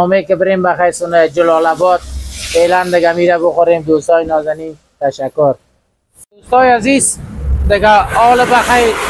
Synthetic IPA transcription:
ɔmekɪbɪɾembaxajɾsʊned͡ʒʊlɔlabɔd̪̚feːland̪ɪɡamiɾabʊxʊɾeːmd̪oːst̪ɔːjnɔːzani | t̪aʃakʊɾ | d̪ost̪ɔjaziːzd̪ɪɡaɔːlɪbaxaj

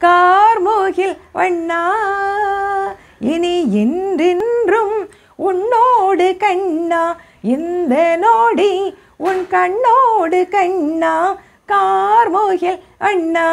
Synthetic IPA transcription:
kaːɾmoːɣɪlʋɐɳːaː | ɪniɛndɪndrɯm | ʊnːoːɽɯkɐɳːaː | ɪnd̪ɐnoːɽi | ʊnkɐɳːoːɽɯkɐɳːaː | kaːɾmoːɣɪl | ʋɐɳːaː

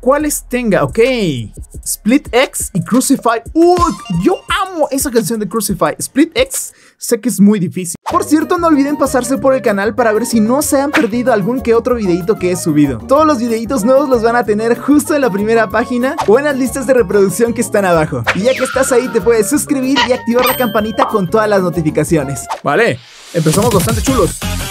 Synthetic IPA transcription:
kwale̞st̪e̞ŋɡao̞ke̞j | split̪eksikɾusifajuʝo̞amo̞ʔe̞sak̬ans̬jo̞nd̪ekɾusifajsplit̪eksː | e̞keezmujðifisilpo̞ɾsje̞ɾt̪o̞no̞ːlβiðe̞mpasaɾs̬e̞po̞ɾe̞lkanalpaɾaβe̞ɾsino̞seampe̞ɾðiðo̞alɣuŋke̞o̞t̪ɾo̞βiðe̞it̪̬o̞keesuβ̞iðo̞̰t̪o̞ð̞o̞zlo̞zβiðe̞it̪o̞znwe̞βo̞zlo̞zβanat̪e̞ne̞ɾxust̪o̞enlapɾime̞ɾapaxinabwenazlist̪azðere̞pɾo̞ðuksjo̞ŋke̞ːst̪anaβaxo̞̰iʝakeːst̪asait̪e̞pwe̞ðesːuskɾiβ̞iɾiak̚t̪iβaɾlakampanit̪ako̞nt̪o̞ðazlazno̞t̪ifikasjo̞ne̞sba̰le̞ | empe̞samo̞zβast̪ant̪e̞t͡ʃulo̞s

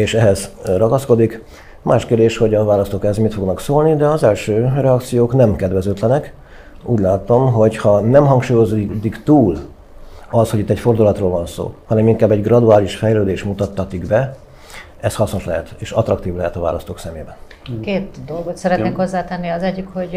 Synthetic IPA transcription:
eːʃɛɦɛzrɒɡɒsko̞d̪ik | mʔaːʃkeːrd̪eːʃho̞ɟɒvaːlɒst̪oːkɛzmit̪fo̞ɡnɒksoːlnid̪ɛɒzɛlʃøːrɛɒkt̪sijoːknɛmkɛd̪vɛzøːt̪lɛnɛk | ṵːɟlaːt̪o̞mɦo̞chɒnɛmɦɒŋkʃuːjo̞zd̪ikt̪uːl | ɒshoit̪ːɛcfo̞rd̪ulɒt̪roːlvɒnso̰ːhɒnɛmiŋkaːbɛɟɡrɒd̪uaːliʃfɛjløːd̪eːʃmut̪ɒt̪ːɒt̪iɡbɛ | ɛshɒsno̞ʃlɛɦɛt̪eːʃɒt̪rɒkt̪iːvlɛɦɛt̪ɒva̰ːlɒst̪oːksɛmeːbɛn | keːt̪d̪o̞lɡot̪sɛɾɛt̪neːkho̞zːaːt̪ɛnːiɒzɛɟːikho̞ɟ

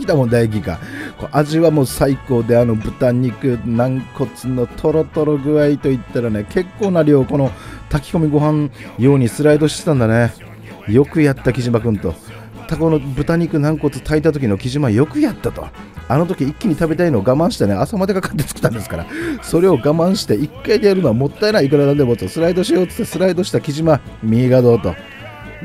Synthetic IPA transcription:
kʲi̥t̪amond̪aiɡʲika̰koʔaʑiβamo̞ːsaiko̞ːd̪e̞ano̞bɯ̟t̪aɲ̟ikɯ̟nãŋko̞t͡sɨno̞t̪ʰo̞ɾo̞t̪o̞ɾo̞ɡɯ̟ait̪o̞it̪ːaɾanekʰe̞kːo̞ːnaɾʲijo̞ːko̞no̞t̪akʲi̥ko̞mʲiɡo̞ɦãnjo̞ːɲ̟isɨɾaid̪o̞ɕi̥t̪e̥t̪ãnd̪ane̞ | jo̞kɯ̟jat̪ːakʲiʑimakɯ̟̃nt̪o̞ | t̪ako̞no̞bɯ̟t̪aɲ̟ikɯ̟nãŋko̞t͡sɨ̥t̪ʰait̪at̪o̞k̬ʲino̞kʲiʑimajo̞kɯ̟jat̪ːat̪o̞̰ | ano̞t̪o̞kʲiikʲːiɲ̟it̪abe̞t̪aino̞ːɡamãɕi̥t̪eneasamad̪ekakḁt̪ːe̞̥t͡sɨ̥kɯ̥t̪ãnd̪e̞sɨ̥ka̰ɾa̰so̞ɾe̞o̞ɡamãɰ̃ɕi̥t̪e̞ikːaid̪ejaɾɯnoamo̞t̪ːaenaik̬ɯ̟ɾad̪ad̪ebot͡sosɨɾaid̪o̞ɕijo̞ːt͡sɨ̥t̪ːasɨɾaid̪o̞ɕi̥t̪akʲiʑima | mʲiːɡad̪o̞ːt̪o̞̰

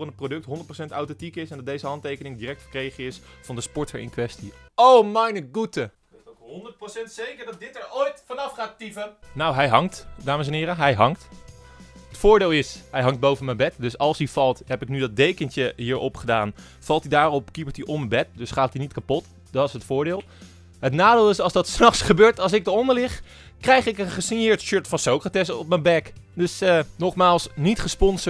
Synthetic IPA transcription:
rənəprodɵk̚tɦɔndət̚prosɛntawtɛntikɪsɛndɑtdejzəɦɑntejkənɪŋdiːrɛk̚tχəɹkrejχəɪsfɑndəspɔɹtəɹɪ̰nkʋɛstiowmɛjnəɡutə | χɦɔndəɹt̚prosɛntsejkəɹdɑt̚dɪtəɹojtfɑnɑfχaːttipənnawɦɛjɦɑŋtdaːməs̬ɛnɦɪːɾəɦɛjɦɑŋkt | ɦətfʊːɹdɪːlˠɪsɦɛjɦɑŋt̚bowvənməbɛtdɵsɑlˠsiv̥ɑlˠtɦɛpɪknydɑt̚dejkənt͡ʃəɦiːɹʔɔpχədaːn | fɑlˠtidaːrɔp̚kipəɹtiʔɔməbɛt̚dɵsχaːtinitkapɔt | dɑtɪsətfʊːɹdɪːlˠ | ɦətnaːdɪːlˠɪsɑlˠzdɑtsnɑχsχəbøːɹtɑlˠs̬ɪɡ̚dəɔndəɹlɪχ | krɛjχɪkənχəsɪnjɪːɹtʃøɹtfɑnsowkratɛsɔp̚mənbɛkdɵsənɔχmaːlˠsnitχəspɔns

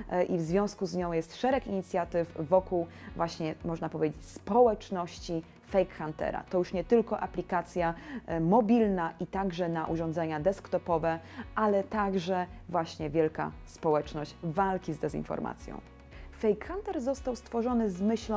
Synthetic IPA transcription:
ʔivzvʲjɔ̃w̃skuzɲɔ̃w̃jɛst̪ʂɛɾɛkiɲit̪sʲjat̪ɘvːɔkuwvwʔaɕɲɛmɔʐnapɔvʲed͡ʑet͡ɕspɔwɛt͡ʂnɔɕt͡ɕi | fɛjkxant̪ɛ̰ɾa̰t̪ɔjuʂɲɛt̪ɘlkɔʔaplʲikat̪sʲjamɔbʲilnaʔit̪aɡʐɛnaʔuʐɔ̃nd̪zɛɲad̪ɛskt̪ɔpɔvɛʔalɛt̪aɡʐɛvwaɕɲɛvʲjɛlka̰spɔwɛt͡ʂnɔɕt͡ɕvalkʲizd̪ɛzḭnfɔ̰ɾma̰t̪sʲjɔ̰̃w̃ | fɛjkxant̪ɛɾzɔst̪awst̪fɔʐɔnɘzmɘɕl

